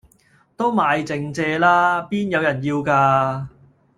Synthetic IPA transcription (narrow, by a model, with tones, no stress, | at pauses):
t̪o˥wmaː˨˧jt͡sɪ˨˧ŋt͡sɛː˧laː˥piː˥njɐ˨˧wjɐ˨˩njiː˧wkaː˧